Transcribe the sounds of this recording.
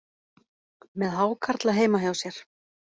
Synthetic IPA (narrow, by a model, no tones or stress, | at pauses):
mɛðɦaːwkʰaɾt̪laɦeːjmaɦjawsjɛɾ̥